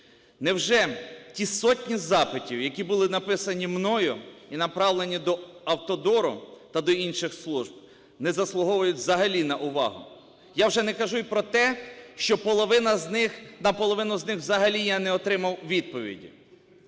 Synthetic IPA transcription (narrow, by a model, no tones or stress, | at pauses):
nɛwʒɛtʲisɔtʲnʲizɑpɪtʲiwjɐkʲibʊlˠɪnɐpɪsɐnʲimnɔjʊinɐpɾɑwlˠenʲid̪ɔɐwt̪ɔd̪ɔɾʊ̰t̪ɐd̪ɔinʃɪxslˠuʒb̚ | nɛzɐslˠʊɦɔʋʊjʊtʲzɐɦɐlʲinɐʔʊʋɑ̰ɦʊ̰ | jawʒɛnɛkɐʒujpɾɔt̪ɛʃt͡ʃɔpɔlˠɔʋɪnɐznɪxnɐpɔlˠɔʋɪnʊznɪxwzɐɦɐlʲijanɛɔt̪ɾɪmɐwʋʲid̪̚pɔʋʲḭdʲḭ